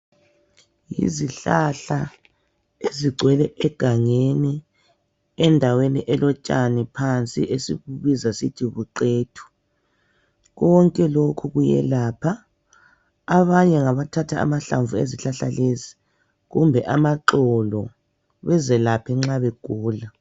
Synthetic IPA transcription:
jḭziɬaɬa | eziɡ͡ǀʱwɛlɛʔɛɡ̥ʱaŋeni | ɛndʱaweniʔɛlɔt͡ʃʼanipʰant͡sʼḭʔesḭɣuβizasitʰiβuǃeːtʰu̥ | ɣɔŋkʼɛlokʰuɣujɛ̰laːpʰa | βaɲɛŋaβatʰatʰaa̰maɬaɱvueziɬaɬa̰lezi | ɣumbʱɛʔamaǁɔlɔ | βɛzɛlapʰɛŋ͡ǁaβeɡ̥ʱuːla

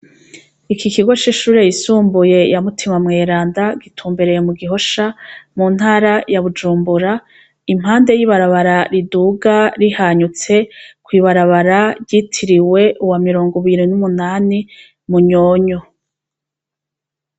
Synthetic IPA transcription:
ikikiɡo̞t͡ʃiʃuːɾe̞jisuːmbuje̞jamutʰimamŋe̞ːɾaːndaɡitʰuːmbe̞ɾe̞jemuɡiɦo̞ʃamun̥haːɾajaβud͡ʒuːmbuɾa | im̥haːnde̞jiβaɾaβaɾaɾiduɡaɾihaɲut͡se̞kwiːβaɾaβaɾaɟitʰiɾiwe̞ʔuwamiɾo̞ːŋɡoβiɾinumunaːni | muɲoːɲo

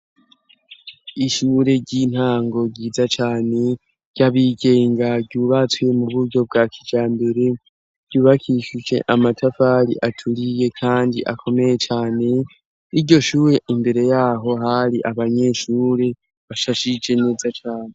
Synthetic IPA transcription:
iʃuɾe̞ɟin̥haːŋɡo̞ɟiːzat͡ʃaːne̞ | ɟ̥aβiːɡe̞ːŋɡaɟuːβat͡swe̞muβuɾɟo̞b̚ɡaːkʰid͡ʒaːmbe̞ɾe̞ | ɡ̥ɟ̥uːβakʰiʃid͡ʒe̞̰ʔamatʰafaɾḭʔatʰuɾije̞kʰaːndḭʔa̰kʰo̞me̞je̞t͡ʃaːne̞ | iɾɟo̞ʃuːɾe̞ʔimbe̞ɾe̞jaːɦo̞ɦaɾiʔaβaɲe̞ʃuːɾe̞ | βaʃaʃid͡ʒe̞ne̞ːzat͡ʃaːne

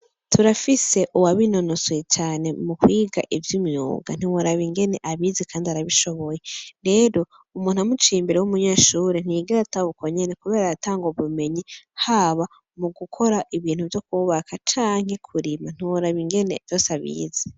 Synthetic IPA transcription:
tʰuɾafise̞ʔuwaβino̞no̞t͡swet͡ʃaːne̞mukwiːɡa̰ʔivjimijṵːɡa̰n̥iwoɾaβiŋɡe̞ne̞̰ʔaβiːzikʰaːndiaɾaβiʃo̞βo̞je̞ɾe̞ːɾo̞ | umuːnuamut͡ʃiːmbeɾewumuɲaʃuːɾen̥hiɡeɾataβukoɲe̞nekuβe̞ɾaɾataːŋɡoβume̞ɲihaβa | muɡukʰo̞ɾaʔiβiːn̥uvjo̞kuːβakʰat͡ʃaːŋ̥he̞kʰuɾiman̥iwoɾaβiŋɡe̞ne̞vjosaβḭːze

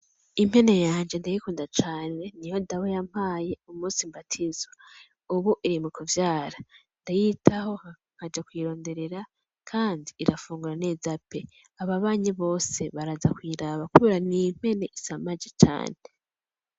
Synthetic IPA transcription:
im̥he̞ne̞jaːnd͡ʒe̞ndajikuːndat͡ʃaːne̞nijo̞dawojam̥haːje̞umuːnsimbatʰizo | uβuʔiɾimukʰuvjaːɾa | ndajitʰaho̞ | ŋ̥ad͡ʒakwiːɾo̞ːnde̞ɾe̞ɾa | kʰaːndiːɾafuːŋɡuɾane̞zape̞ | aβaβaːɲiβo̞ːse̞βaɾazakwiːɾaβakuβeːɾanim̥he̞ne̞ʔisamad͡ʒet͡ʃa̰ːne

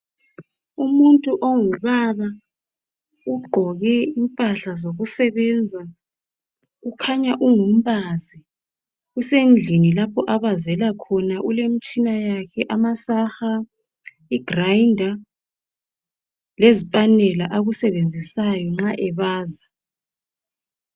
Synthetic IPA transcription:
umuntʼuʔoŋuβaβa | uɡ͡ǃʱɔɣɛimpʼaɬazoɣusɛβɛːnd͡zʱa | ɣukʰaɲaʔuŋum̩βaːzi | ɣusend͡ɮʱinilapʰɔʔaβazɛlakʰɔnaʔulemit͡ʃʼinajakʰɛʔamasaxa | iɡ̥raindʱa | lezipʼanɛlaʔaɣusɛβend͡zʱisajɔŋ͡ǁaʔɛβaːza

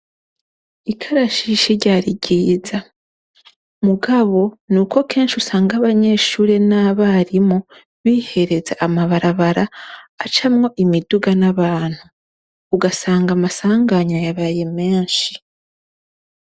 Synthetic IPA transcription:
ikʰaɾaʃiʃiɾɟaːɾiɟiːza | muɡaβo̞nuːko̞kʰe̞ːnʃiusaːŋɡaβaɲe̞ːʃuːɾenaβaɾimo | βiːhe̞ɾe̞zaʔamaβaɾaβaɾaːt͡ʃamŋo̞ʔimiduɡanaβaːn̥huː | ɡasaːŋɡamasaːŋɡaɲajaβajeme̞ːnʃi̥

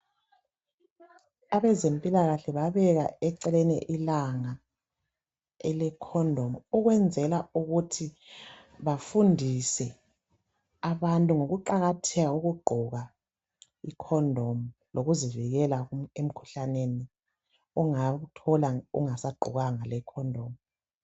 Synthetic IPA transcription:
aβɛzempʼilaɣaɬɛβaβɛɣaɛǀɛlɛnɛ̰ʔilaŋa | ɛlɛkʰɔndʱomɔɣwɛnd͡zʱɛlauɣutʰi | βafundʱisɛ | aβantʼuŋoɣuǃaɣatʰɛɣauɣuɡ͡ǃʱuɣa | ḭkʰɔndʱomu | loɣuziviɣɛlaem̩kʰu̥ɬaneni | uŋatʰɔlaṵŋasaɡ͡ǃʱuɣaŋalɛkʰɔndʱoːmu

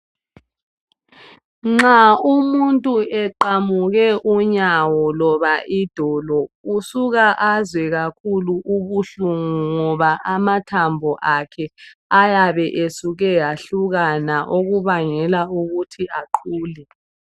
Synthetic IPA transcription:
ŋ͡ǁaumuntʼuɛǃamuɣɛʔuɲawɔlɔβaʔid̥ʱɔlɔusuɣaʔazwɛɣakʰuluʔuβuɬuŋuŋɔβaʔamatʰambʱɔʔakʰɛajaβɛʔesuɣɛjaɬuɣanaʔoɣuβaŋɛlauɣutʰiaǃʰuːlɛ

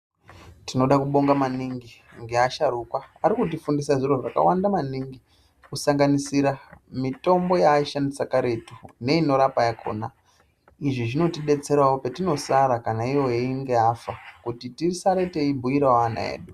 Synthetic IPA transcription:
tino̞ɗakuɓo̞ŋɡamaniŋɡi | ŋɡeaʃarukwaaɾikut̬ifundis̬aʐiro̞ʐaka̰wandamaniŋɡi | kusaŋɡanisiɾamito̞mbo̞jaːiʃandisakaɾe̞tune̞ino̞ɾapajakʰo̞̰ːna | iʐiʐino̞tiɗe̞t͡se̞ɾawope̞tino̞saɾakanaiwo̞iiŋɡe̞afakutitirisaɾe̞te̞ibʱuiɾaana̰ḛːɗu

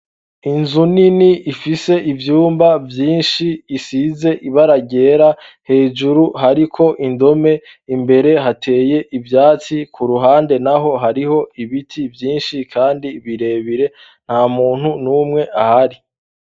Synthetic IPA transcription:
inzuniniifise̞ʔivjuːmbavjiːnʃiːsize̞ʔiβaɾaɟe̞ːɾahe̞ːd͡ʒuɾuɦaɾikʰo̞ʔindo̞me̞ | imbe̞ɾe̞ɦatʰe̞ːje̞ʔivjaːt͡sikʰuɾuɦaːnde̞naɦo̞ɦaɾiho̞iβitʰivjiːnʃikʰaːndiβiɾe̞ːβiɾe̞ | n̥haːmuːn̥hunuːmŋe̞ʔahaɾi

